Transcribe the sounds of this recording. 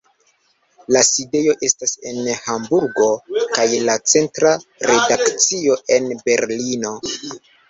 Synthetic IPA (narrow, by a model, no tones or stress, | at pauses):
laside̞jo̞ʔe̞stase̞nhambuɾɡo̞kajlat͡se̞ntɾaɾe̞dakt͡sio̞ʔe̞nbe̞ɾlino̞